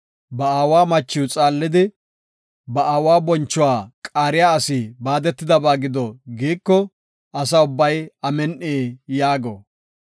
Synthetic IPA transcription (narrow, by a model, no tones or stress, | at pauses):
bɐaːwaːmɐt͡ʃːɪwʊt͡sʼaːlːɪd̪ɪ | bɐʔaːwaːbɔnt͡ʃːʊwaːkʼaːɾɪjaːɐsiːbaːd̪ɛt̪ːɪd̪ɐbaːɡɪd̪ɔɡiːkːɔ | ɐsɐʊbːɐjɐmɛnʔeːjaːɡɔ̰